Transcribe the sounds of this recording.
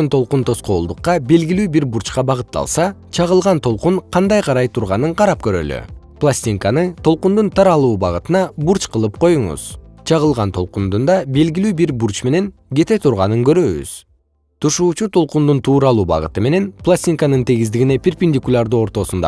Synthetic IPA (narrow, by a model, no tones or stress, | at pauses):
nt̪ʰo̞lˠqunt̪ʰo̞sqo̞ːlˠd̪uqːɑbe̞lɡilyːbiɾbuɾt͡ʃqɑbɑʁɯt̪ːɑ̰lˠsɑt͡ʃʰɑʁɯlˠʁɑnt̪ʰo̞lˠquɴqʰɑnd̪ɑjqʰɑɾɑjt̪ʰuɾʁɑnɯɴqʰɑɾɑp̚kø̞ɾø̞̰ly̰ | plˠasʲt̪ʲiŋkanɯt̪ʰo̞lˠqund̪unt̪ʰɑɾɑlˠuːbɑʁɯt̪ɯnɑbuɾt͡ʃqɯlˠɯpqʰo̞juɴṵz̥t͡ʃʰɑʁɯlˠʁɑnt̪ʰo̞lˠqund̪und̪ɑbe̞lɡʲilyːbiɾbuɾt͡ʃme̞ne̞ŋ | ɡe̞t̪et̪ʰuɾʁɑnɯŋkø̞ɾø̞βy̰z̥ | t̪ʰuʃuːt͡ʃut̪ʰo̞lˠqund̪unt̪ʰuːɾɑlˠuːbɑ̰ʁɯ̰t̪ɯme̞ne̞nplˠasʲt̪ʲiŋkanɯnt̪ʰeɡizd̪iɡine̞pʲerʲpʲinʲd̪ʲikulʲˠaɾd̪uːo̞ɾt̪o̞sund̪ɑ̰